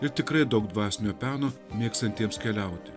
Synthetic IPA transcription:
ɪɾt̪ʲɪkɾɐɪd̪ɐʊɡ̚d̪ʋɑːsʲnʲoːpʲæːnoːmʲeɛkst̪ɐnʲt̪ʲiɛmskʲɛlʲɛˑʊt̪ʲɪ

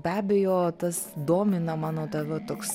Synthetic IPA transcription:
bʲæːbʲejoːt̪ɐsd̪oːmʲɪnɐmɑːnoːt̪ɐʋʲɛt̪oːks

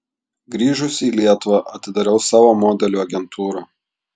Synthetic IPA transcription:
ɡɾʲiːʒʊsʲiːlʲiɛt̪ʊʋɑʔɐt̪ʲɪd̪ɐɾʲɛʊsɑːʋoːmɔːd̪ʲɛlʲuːɐɡʲɛnt̪ʰuːɾɑː

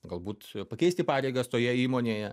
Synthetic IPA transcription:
ɡɐlˠbuːt̪pɐkʲɛɪsʲt̪ʲɪpɑːɾʲɛɪɡɐst̪oːjɛiːmoːnʲeːjɛ

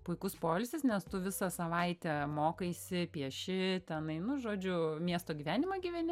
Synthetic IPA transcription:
pʊɪkʊspoːlʲsʲɪsnʲɛst̪ʊʋʲɪsɐsɐʋɐɪt̪ʲɛmoːkɐɪsʲɪpʲiɛʃʲɪt̪ʲɛnɐɪnʊʒoːd͡ʒʲʊmʲiɛst̪oːɡʲiːʋʲæːnʲɪmɐɡʲiːʋʲɛnʲɪ

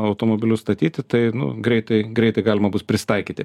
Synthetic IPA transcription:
ɐʊt̪oːmoːbʲɪlʲʊst̪ɐt̪ʲiːt̪ʲɪt̪ɐɪnʊ̰ɡɾʲɛɪt̪ɐɪɡɾʲɛɪt̪ɐɪɡɑːlʲɪmɐbʊspʲɾʲɪsʲɪ̥t̪ɐɪkʲiːt̪ʲɪ

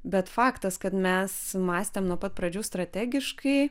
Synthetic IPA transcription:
bʲɛt̪fɑːkt̪ɐskɐt̪mʲɛsmɑːsʲt̪ʲeːmnuɔpɐt̪̚pɾɐd͡ʒʲuːst̪ɾɐt̪ʲæːɡʲɪʃkɐɪ

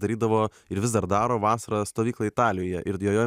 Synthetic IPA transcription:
ɐɾʲiːd̪ɐʋoː | ɪɾʋʲɪzd̪ɐɾd̪ɑːɾoːʋɑːsɐɾɐst̪oːʋʲiːklˠɐɪt̪ɑːlʲɪjoːjɛʔɪɾjoːjoː

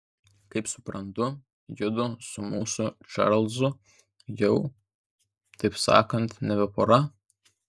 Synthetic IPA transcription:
kɐɪpsʊ̥pɾɐnt̪ʊ | jɪd̪ʊsʊmuːsʊt͡ʃɑ̰ɾlˠzʊ | jɛʊ | t̪ɐɪpsɑ̰ːkɐnt̪nʲɛʋʲɛpɔɾɐ

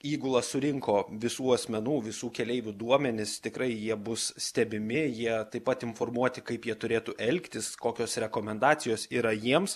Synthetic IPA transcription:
iːɡʊlˠɐsʊɾʲɪŋkoːʋʲɪsuːɐsʲmʲɛnuːʋʲɪsuːkʲɛlʲɛɪʋʲud̪uɔmʲɛnʲɪst̪ʲɪkɾɐɪjiɛbʊssʲt̪ʲɛbʲɪmʲɪjiɛt̪ɐɪpɐt̪ɪnfoːrmuɔt̪ʲɪkɐɪpjiɛt̪ʊɾʲeːt̪uʔɛlʲkt̪ʲɪskoːkʲoːsɾʲɛkoːmʲɛnd̪ɑːsʲɪjoːsiːɾɐjiɛms

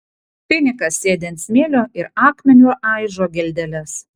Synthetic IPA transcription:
pʲɪnʲɪkɐsːʲeːd̪ʲɛnt̪sʲmʲeːlʲoːʔɪɾɑːkmʲɛnʲuːʔɑˑɪʒoːɡʲɛlʲd̪ʲɛlʲɛs

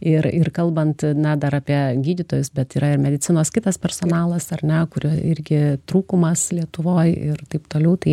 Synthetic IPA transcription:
ɪɾɪrkɐlˠbɐnt̪nʲɛd̪ɐɾɑːpʲiɛɡʲiːd̪ʲɪt̪oːjʊsbʲɛt̪iːɾɐɪrmʲɛd̪ʲɪt͡sʲɪnoːskʲɪt̪ɐspʲɛrsoːnɑːlˠɐsɐrʲnʲɛkʊɾʲoɪɾʲɡʲɪt̪ɾuːkʊmɐslʲiɛt̪ʊʋoːjɪ̰rt̪ɐɪpt̪oːlʲɛʊt̪ɐɪ

